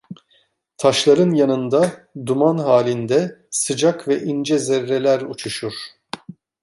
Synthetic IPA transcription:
t̪ʰaʃlˠaɾɯnjanɯnd̪ad̪umanɦaːlʲind̪ɛsɯd͡ʒakvɛʔind͡ʒɛzɛɾːelʲæɾut͡ʃʰuʃuɾ̥

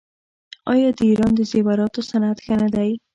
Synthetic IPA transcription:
ɑjɑd̪əiɾɑnd̪əzewaɾɑt̪osanat̪xanad̪aj

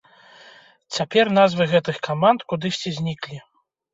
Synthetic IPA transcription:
t͡sʲapʲɛrnazvɨɣɛt̪ɨxkamant̪kud̪ɨsʲt͡sʲɛzʲnʲiklʲi

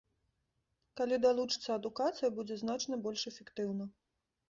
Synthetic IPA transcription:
kalʲid̪alˠut͡ʂɨ̥t̪sːɐɐd̪ukat̪sɨjɐbud͡zʲɛznat͡ʂnɐbɔlʲʂɛfʲɛkt̪ɨwnɐ

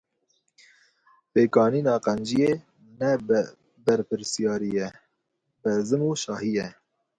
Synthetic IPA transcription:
peːkɑːniːnɑːqɛnd͡ʒije | nɛ | bɛɾpɨɾsijɑːɾijɛ | bɨzɨmuːʃɑːhijɛ

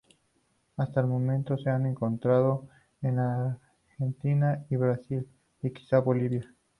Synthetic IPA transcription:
ast̪aelmo̞mẽnt̪o̞se̞ane̞ŋko̞nt̪ɾað̞o | enaɾ | xent̪inaiβɾasil | iki̥saβo̞liβja

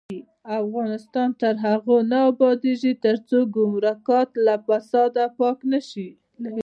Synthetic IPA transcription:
afɣɑnɪst̪ɑnt̪əɾɦaɣonaabɑd̪eʒit̪əɾt͡soɡʊmɾakɑt̪lafasɑd̪apɑknaʃi

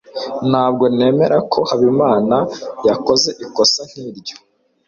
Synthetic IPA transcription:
n̥haːb̚ɡo̞ne̞ːme̞ɾakʰo̞haβimaːnajako̞ze̞ʔiko̞san̥hiːɾɟo̥

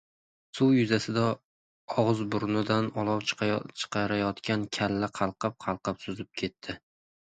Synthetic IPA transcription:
sʊwjʊzasɪd̪a | ɒʁɨzbʊɾnɪd̪anɒlˠɒwt͡ʃʰɨ̥qʰɑɾajɒt̪kʲʰankʲʰalːaqʰɑlˠqʰɑp̚qʰɑlˠqɑpsʊzɪp̚kʲʰe̞t̪ʰːɪ

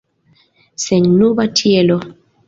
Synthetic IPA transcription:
sɛɲnubatʰiɛlɔ

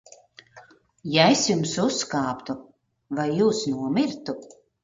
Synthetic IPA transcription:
jaesjumsusːkaːpt̪u | vajːuːsnuɔmiɾt̪u

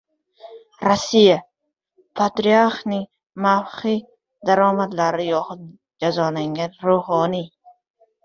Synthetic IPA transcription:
ɾasːija | pʰat̪ɾiaɾχnɪŋ | mawχi | d̪aɾɒːmad̪laɾɪjɒχʊd̪̚ | d͡ʒazɒlaŋɡʲanɾuhɒni

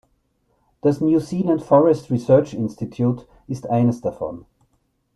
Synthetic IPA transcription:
d̥asnjusiːlə̃ntfɔɹɛstɹisɜ˞t͡ʃɪnstitʰjuːt | ɪstaɪnəsd̥afɔ̰n

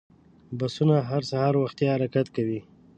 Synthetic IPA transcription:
basunaɦaɾsahɑɾwaxt̪jaaɾakat̪kawi

